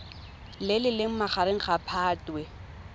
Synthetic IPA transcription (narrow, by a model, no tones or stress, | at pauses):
lɪlɪlɪŋ̩maχaɾɪŋ̩χapʰaːtʼwɛ